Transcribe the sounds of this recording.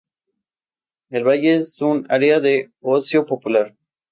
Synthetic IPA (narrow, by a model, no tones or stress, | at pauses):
elβaʝesuna̰ɾeaðe | osjo̞po̞pulaɾ